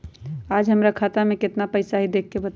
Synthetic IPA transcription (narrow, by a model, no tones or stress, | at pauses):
aːd͡ʒɦəmɾakʰaːt̪amẽkɪt̪napəɪsaɦid̪eːkʰːebət̪